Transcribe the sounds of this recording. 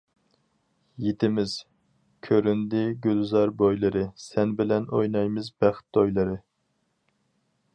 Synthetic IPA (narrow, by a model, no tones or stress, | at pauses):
jet̪ʰɪmɪz̥ | kʲʰøɾynd̪ɪɡʲylzɑɾbojlˠɨɾɨsɛnbɪlɛnojnɑjmɪzbæχt̪ːojlˠɨɾɨ